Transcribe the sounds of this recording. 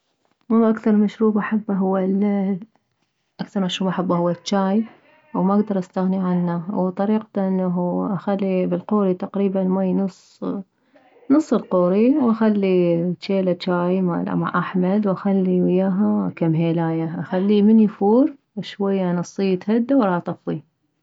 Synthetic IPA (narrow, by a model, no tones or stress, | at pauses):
mʊʔakθɑɾˤmaʃɾuːbʔaħabːaɦʊwːa | ʔakθɑɾˤmaʃɾuːbʔaħabːahʊwːat͡ʃːaːj | wmaʔaɡd̪ɑɾˤʔast̪aɣniʕanːawt̪ˤɑɾiːqt̪ʔɪnːaɦʔaxalːibɪlquːɾit̪aqɾiːbanmajnʊsˤː | nɨsˤːɨlquːɾiwʔaxalːit͡ʃːeːlat͡ʃaːjma̰lʔa̰ma̰ʕʔaħmad̪wʔaxalːiwɪjːaːɦakamɦeːlaːjaʔaxalːimɪnjifuːɾ | ʃwajːanɨsˤːijːt̪had̪ːawɑɾˤɑʔt̪ˤɑfi